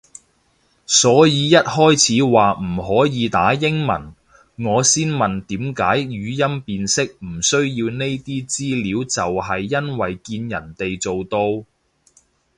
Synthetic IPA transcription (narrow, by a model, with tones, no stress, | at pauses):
sɔː˨˥jiː˨˧jɐ˥t̚hɔː˥jt͡sʰiː˨˥waː˨m̩˨˩ɦɔː˨˥jiː˨˧t̪aː˨˥jɪ˥ŋmɐ̰˨˩n | ŋɔː˨˧siː˥nmɐ˨nt̪iː˨˥mkaː˨˥jɥyː˨˧jɐ˥mpiː˧nsɪ˥k̚m̩˨˩sɵ˥ɥjiː˧wne˥jt̪iː˥t͡siː˥liː˨˥wt͡sɐ˨wɦɐ˨jːɐ˥nwɐ˨jkiː˧njɐ̰˨˩nt̪e˨jt͡so˨wt̪o˧w